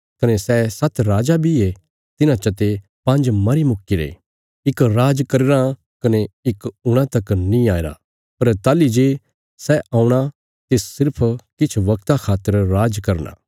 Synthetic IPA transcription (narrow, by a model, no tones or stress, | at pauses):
kɐnesɛsɐt̪ɾaːd͡ʒabʱie | t̪ɪnãt͡ʃɐt̪e | pɐ̃nd͡ʒmɐɾimʊkːiɾḛː | ɪkɾaːd͡ʒkɐɾeɾã | kɐneɪkʊɽ̃ãt̪ɐknĩaːeɾa̰ | pɐɾt̪aːlid͡ʒeː | sɛãːuɽ̃a | t̪eːssɪɾpʰkɪt͡ʃʰʋɐk̚t̪akʰaːt̪ːəɾɾaːd͡ʒkɐɾna̰ː